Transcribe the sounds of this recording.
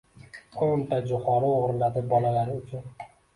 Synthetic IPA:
kʰont̪ad͡ʒʊχɒɾɪoʁɾlad̪ɪbɒlalaɾɪʊt͡ʃʰʊn

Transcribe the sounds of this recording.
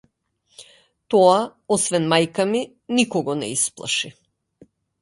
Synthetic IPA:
t̪ɔaɔsvɛnmajkami | nikɔɡɔnɛ̰isplˠa̰ʃi

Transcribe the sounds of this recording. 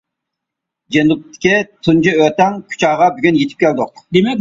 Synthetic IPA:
d͡ʒenup̚t̪ʰːɪ̥kʲit̪ʰund͡ʒɨøt̪ɛŋkʲʰu̥t͡ʃɑːʁɑbyɡʲynjet̪ʰɪ̥p̚kʲæld̪ʊq̚d̪emɛk̚ʲ

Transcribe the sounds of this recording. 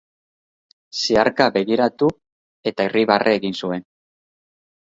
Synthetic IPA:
siaɾkaβbe̞ɣiɾat̪u | e̞t̪aeriβarʔeːɣinsue̞n

